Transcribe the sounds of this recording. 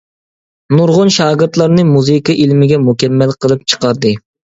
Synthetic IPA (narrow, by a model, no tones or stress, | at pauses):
nuɾʁʊnʃɑːɡɨɾt̪lˠɑɾnɨmuzɨkɑʔilmɪɡʲɛmukʲɛmːɛlqʰəlˠɨp̚t͡ʃʰə̥qɑɾd̪ɨ